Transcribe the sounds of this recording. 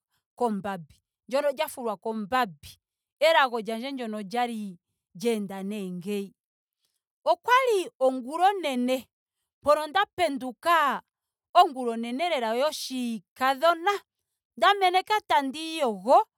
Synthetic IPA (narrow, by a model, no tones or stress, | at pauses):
kɔmbabi | ɲd͡ʒɔnɔd͡ʒafuɾwakɔmbabi | ɛɾaɣɔd͡ʒaɲd͡ʒɛɲd͡ʒɔnɔd͡ʒaɾi | d͡ʒɛndanɛŋɡɛi | ɔkwaliɔŋɡuɾɔnɛnɛ | mpɔnɔndapɛnduka | ɔŋɡuɾɔnɛnɛɾɛɾaɔjɔʃikaðɔna | ndamɛnɛkatandijɔɣɔ